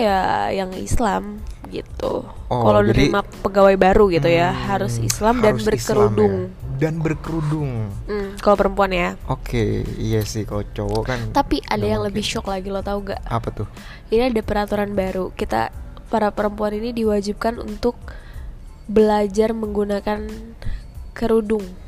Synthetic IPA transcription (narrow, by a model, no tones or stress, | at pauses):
jajaŋḭslamɡḭt̪ṵkalanəɾimapəɡawajbaɾuɡit̪ujahɦaɾʊsḭslamdanbərkkəɾudʊŋdanbərkəɾudʊŋ̩kalowpəɾəmpuanjaokʰḛjasɪhkalot͡ʃowɔkant̪apiʔadajaŋləbɪhʃɔklaɡilot̪auɡa̰ʔapat̪ʊh | iniadapəɾat̪uɾanbaɾukit̪a̰paɾapəɾəmpuaninidiwad͡ʒib̚kanṵnt̪ʊk̚ | bəlad͡ʒarməŋɡunakan | kəɾudʊŋ